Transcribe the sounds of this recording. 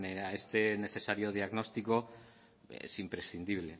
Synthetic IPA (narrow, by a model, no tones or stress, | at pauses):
neaest̪ene̞θe̞saɾjoð̞iaɣnost̪iko | ḛsimpɾesθind̪iβ̞le